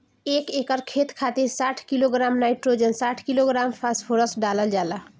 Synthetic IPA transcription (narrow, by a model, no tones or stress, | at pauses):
ekekəɾkʰet̪kʰat̪iɾsaʈʰkiloɡɾamnajʈɾod͡ʒənsaʈʰkiloɡɾampʰasʈpʰoɾəsʈɖaləld͡ʒala